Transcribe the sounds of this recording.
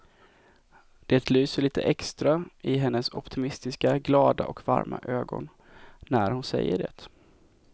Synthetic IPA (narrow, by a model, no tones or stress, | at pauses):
d̪̥eːt̪lyːsəɭiːt̪ʰəʔɛkst̪ɾaɪɦɛnːəsɔpt̪ʰɪmɪst̪ɪskaɡlɑːd̪aʔɔkva̰ɾmaʔøːɡɔn | næɾhʊnsɛjːəɖɛ̰ːt̪